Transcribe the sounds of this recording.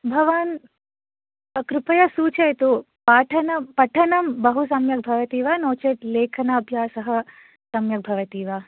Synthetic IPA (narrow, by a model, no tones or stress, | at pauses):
bʱɐʋaːn | ɐkɾupɐjɐsuːt͡ʃɐjt̪u | paːʈʰɐnɐpɐʈʰɐnɐmbɐɦusɐmjɐk̚bʱɐʋɐt̪iːʋanoːt͡ʃet̪leːkʰɐnɐɐbʱjaːsɐɦɐ̆ | sɐmjɐk̚bʱɐʋɐt̪iːʋaː